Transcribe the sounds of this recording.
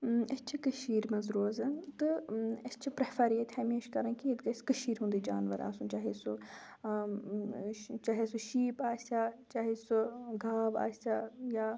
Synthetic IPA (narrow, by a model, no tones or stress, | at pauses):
ɐst͡ʃʰikəʃiːɾmɐzɾoːzɐt̪ɨɐst͡ʃʰipɾɐːfʰaɾiːet̪ʰɛːmĩɐʃkɐɾãnkied̪ɡɐskəʃiːɾɦũnd̪iːd͡ʒa̰ːnʋə̰ɾa̰ːsũːt͡ʃaːɦeso | t͡ʃaːɦesuʃiːpaːsaːt͡ʃaːɦesoɡʱaːʋa̰ːsajaː